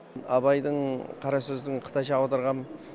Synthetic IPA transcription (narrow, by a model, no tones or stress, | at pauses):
ɑ̰bɑjd̪əɴqʰɑɾɑsɵzd̪ɪɴqʰə̥t̪ʰɑjʃɑːwd̪əɾʁɑn